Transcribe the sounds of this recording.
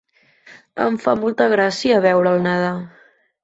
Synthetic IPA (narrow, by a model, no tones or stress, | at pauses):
ə̰ɱfamɔlˠt̪əɣɾasiəːβɛwɾəːlˠnəða